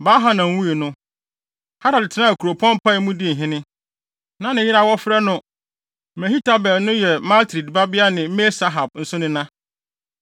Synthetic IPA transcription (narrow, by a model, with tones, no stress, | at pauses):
baː˦ɦa˦nã˨m̩˦wũ˦e˨nʊ̃˦ | ha˦ɾa˨dɪ˨tʰɪ˨nã˦æ˨kʰu˨ɾo˨pʰɔ̃˦m˦pʰa˦˨˦mũ˦di˦n̩˨ɦɪ̃˦nɪ̃˦ | nã˦nɪ̃˨jɪ˦ɾa˦wɔ˦fɾɛ˦nʊ̃˦ | mɛ˨hi˦tʰa˦bɛ˨lnʊ̃˦jɛ˨ma˦ltʰɾi˨dba˦bɪ˦a˦nɪ̃˨m̩˦me˦sa˦ɦa˨b̚n̩˦sʊ˦nɪ̃˦nã˦